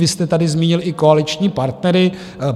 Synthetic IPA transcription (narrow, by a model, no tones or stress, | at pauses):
ɪst̪ɛt̪adɪzmiːɲɪlʔɪkoalɪt͡ʃɲiːpaɾt̪nɛɾɪ